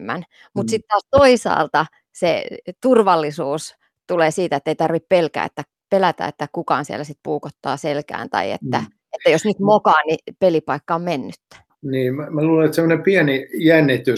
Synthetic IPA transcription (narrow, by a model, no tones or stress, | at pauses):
mːæ̰n | mut̪sit̪t̪ɑːst̪oisɑ̰ːlt̪ɑ | set̪urʋɑlːisuːs | t̪uleːsiːt̪æet̪ːeit̪ɑrʋippelkæ̰ːḛt̪ːæ | pelæt̪æ̰ːḛt̪ːækukɑ̰ːnsiæ̰lːæsit̪̚puːkot̪ːɑ̰ːselkæ̰ːnt̪ɑ̰iḛt̪ːæ | et̪ːæjosnyt̪mokɑːnipelipɑikːɑommenːyt̪ː | niːmæmæluːleet̪semːonepiɛnijænːit̪y